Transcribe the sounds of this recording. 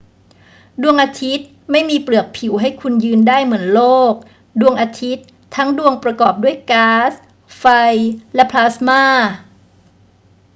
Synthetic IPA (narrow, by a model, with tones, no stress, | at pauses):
du˧əŋʔaː˧t̪ʰi˦˥t̪̚ | ma˥˩jmiː˧plɯ˨˩ək̚pʰi˩˦wɦa˥˩jkʰu˧njɯː˧ndaː˥˩jmɯ˩˦ənloː˥˩k̚ | du˧əŋʔaː˧t̪ʰi˦˥t̪ʰːa˦˥ŋdu˧əŋpɾa˧kɔː˨˩p̚du˥˩əjkaː˦˥s | fa˧jlɛ˦˥pʰlaː˦˥smaː˥˩